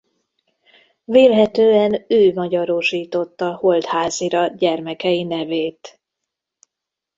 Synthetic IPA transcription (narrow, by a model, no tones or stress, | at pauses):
veːlɦɛt̪øːɛnøːmɒɟɒɾoʃiːt̪o̞t̪ːɒho̞lt̪haːziɾɒɟɛrmɛkɛjinɛveːt̪